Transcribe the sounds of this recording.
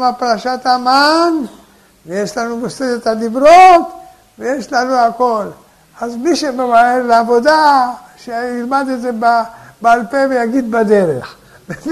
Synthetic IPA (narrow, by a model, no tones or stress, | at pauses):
mapaʁaʃat̪aman | vejeʃlanumosed̪et̪had̪ibɾot̪ | vejeʃlanuako̞l | azmiʃemevaeɾleavo̞d̪a | ʃeilmad̪etzebabealpevejaɡid̪bad̪eɾeχ